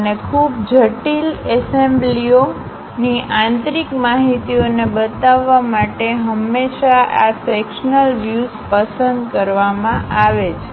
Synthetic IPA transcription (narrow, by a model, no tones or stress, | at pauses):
ənekʰubd͡ʒʱəʈilesemblio | niʔãnt̪ɾikmaɦit̪ionebət̪aʋːamaʈeɦəmːeʃaʔasekʃnəlʋjuzpəsənd̪kəɾʋamãʔaʋet͡ʃʰ